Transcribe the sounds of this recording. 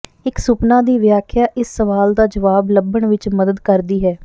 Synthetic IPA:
ɪksʊpnãːd̪iːʋjaːkʰjaːʔɪsːəʋaːld̪aːd͡ʒəʋaːbləbːəɳʋɪt͡ʃməd̪əd̪kəɾd̪iːɦɛː

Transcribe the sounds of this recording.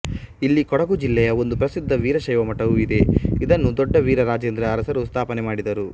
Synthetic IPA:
ilːikɔɽɐɡud͡ʒilːɛjɐo̞nd̪upɾɐsid̪ʱːɐʋiːɾɐʃɐjʋɐmɐʈɐʋuid̪e̞id̪ɐnːud̪ɔɖːɐʋiːɾɐɾaːd͡ʒeːnd̪ɾɐːɾɐsɐɾust̪ʰaːpɐnemaːɽid̪ɐɾu

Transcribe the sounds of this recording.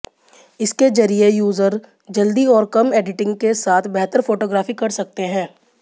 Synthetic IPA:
ɪsked͡ʒɐɾiejuːzəɾ | d͡ʒɐld̪iɔːɾkɐmeːɖɪʈɪ̃ŋɡkesaːt̪ʰbɛɦt̪əɾfoːʈoːɡɾaːfikɐɾsɐk̚t̪eɦɛ̃ː

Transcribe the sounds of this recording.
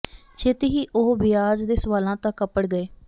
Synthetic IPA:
t͡ʃʰeːt̪iːɦiːʔʊɦbɪjaːd͡ʒd̪eːsəʋaːlãːt̪ãkːəpəɽɡəeː

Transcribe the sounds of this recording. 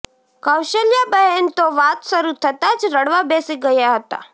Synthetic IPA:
kawʃəljabəɦənt̪oʋat̪səɾut̪ʰət̪ad͡ʒɾəɽʋabesiɡəjaɦət̪a̰

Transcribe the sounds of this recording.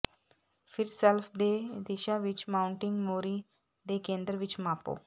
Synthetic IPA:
fʰɪɾsɛlfʰd̪eːd̪eːʃaʋɪt͡ʃmãːʊɳʈɪ̃ŋɡmoːɾi | d̪ekẽːnd̪ɾʋɪt͡ʃmaːpo̰ː

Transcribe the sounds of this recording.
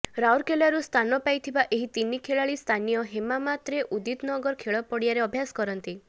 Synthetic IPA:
ɾawɾkelaɾust̪ʰanɔpajt̪ʰibaʔeɦit̪inikʰeɭaɭist̪ʰanijɔɦemamat̪ɾeʔud̪it̪nɔɡɔɾkʰeɭɔpɔɽijaɾeɔbʱjasɔ̥kɔɾɔnt̪i

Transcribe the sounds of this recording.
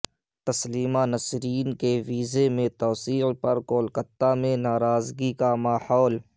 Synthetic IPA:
t̪ɐsliːmanɐsɾiːnkeʋiːzemẽt̪ɔːsiːpɐɾkoːlkət̪ːamẽnaːɾaːzɡikamaːhɔːl

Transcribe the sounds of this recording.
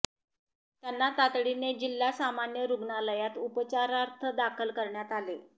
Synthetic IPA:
t̪janːat̪at̪ɽined͡ʑilːasamanjəɾuɡnaləjat̪upt͡ɕaɾaɾt̪ʰəd̪akʰəlkəɾɳjat̪ale

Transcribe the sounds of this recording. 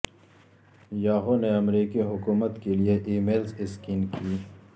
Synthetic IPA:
jaːɦoneɐmɾiːkiɦʊkuːmət̪kelieʔeːmeːlzɪskiːnkiː

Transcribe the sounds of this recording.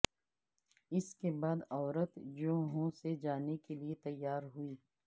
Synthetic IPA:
ɪskebaːd̪ɔːɾət̪d͡ʒoːɦõsed͡ʒaːnekeliet̪ɐjːaːɾɦuiː

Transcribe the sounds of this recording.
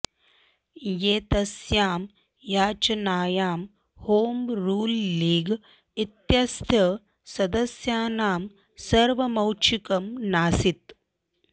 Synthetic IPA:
jeːt̪ɐsjaːm | jaːt͡ʃɐnaːjaːm | hoːmɾuːlːiːɡ | it̪jɐst̪ʰjɐ | sɐd̪ɐsjaːnaːm | sɐɾʋɐmɐwt͡ʃʰikɐmnaːsit̪̚

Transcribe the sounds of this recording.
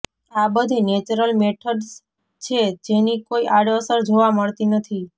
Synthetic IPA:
abəd̪ʱinet͡ʃɾəlmeʈʰəɖs | t͡ʃʰed͡ʒenikoiʔaɽəsəɾd͡ʒoʋaməɭt̪inət̪ʰi

